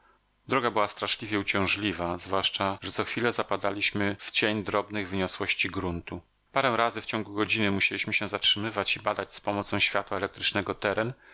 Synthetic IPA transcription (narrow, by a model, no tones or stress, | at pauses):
d̪ɾɔɡabɘwast̪ɾaʂlʲivʲjɛut͡ɕɔ̃w̃ʐlʲivazvwaʂt͡ʂaʐɛt̪sɔxfʲilɛzapad̪alʲiɕmɘft͡ɕeɲd̪ɾɔbnɘɣvɘɲɔswɔɕt͡ɕiɡɾunt̪u | paɾɛ̃ɾazɘft͡ɕɔ̃ŋɡuɡɔd͡ʑinɘmuɕelʲiɕmɘɕɛzatʂɘmɘvat͡ɕibad̪ad͡ʑspɔmɔt̪sɔ̃w̃ɕfʲjat̪waɛlɛk̚t̪ɾɘt͡ʂnɛɡɔt̪ɛɾɛn